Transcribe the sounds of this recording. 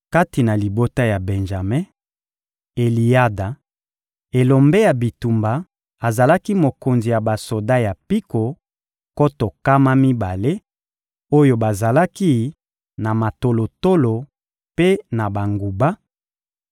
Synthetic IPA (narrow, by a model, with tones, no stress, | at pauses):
ka˦ti˨na˨li˨bo˦ta˦ja˨bɛ˨nʒa˨mɛ˦ | e˨li˨ja˦da˨ | e˨lo˨mbe˦ja˨bi˨tu˨mba˨ | a˨za˨la˦ki˦mo˨ko˨nzi˨ja˨ba˨so˨da˦ja˨pi˦ko˨ | ko˦to˨ka˦ma˦mi˦ba˨le˦ | o˦jo˦ba˨za˨la˦ki˦ | na˨ma˨to˨lo˨to˦lo˨ | pe˦na˨ba˨ŋɡu˨ba˦